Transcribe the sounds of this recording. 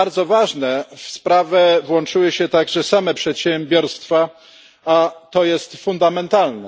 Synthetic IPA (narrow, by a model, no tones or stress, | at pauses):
aɾd̪zɔvaʐnɛfspɾavɛvwɔnt͡ʂɘwɘɕɛt̪aɡʐɛsamɛpʂɛt̪ɕɛmbʲjɔɾst̪fa | at̪ɔjɛst̪fund̪amɛnt̪alnɛ